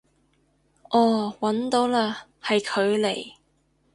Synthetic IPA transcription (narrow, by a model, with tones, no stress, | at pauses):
ʔɔː˨˧˩wɐ˨˥nt̪o˨˥wlaː˧hɐ˨jkʰɵ˨˧ɥle˨˩j